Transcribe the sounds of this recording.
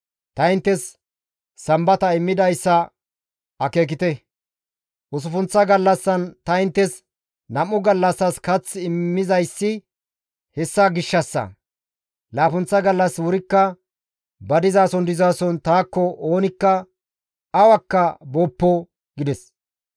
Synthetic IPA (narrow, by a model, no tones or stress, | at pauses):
t̪ɐɪnt̪ːɛsː | ɐmbɐt̪ɐɪmːɪd̪ɐjsːɐ | ɐke̞ːk̬ɪt̪ɛ | ʔʊsʊfʊnt͡sːɐɡɐlːɐsːɐnt̪ɐɪnt̪ːɛs | nɐmːʊɡɐlːɐsːɐskɐt͡sːɪmːɪzɐjsːɪ | hɛsːɐɡɪʃːɐsːɐ̰ | laːfʊnt͡sːɐɡɐlːɐswʊɾɪkːɐ | bɐd̪ɪzaːsɔnd̪ɪzaːsɔnt̪aːkːɔo̞ːnɪkːɐ | ɐwɐkːɐbɔpːɔ | ɡɪd̪ɛs